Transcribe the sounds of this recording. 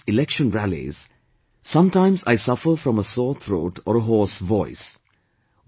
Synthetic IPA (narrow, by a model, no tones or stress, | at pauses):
ɪlɛkʃə̃nɾælḭz̥ | sʌ̃mʈãɪ̃mza̰ɪsʌfəɾfɾɔ̃məsɔːt̪ʰɾoːʈʰɔ̰ːɾəɦɔːsʋɔɪs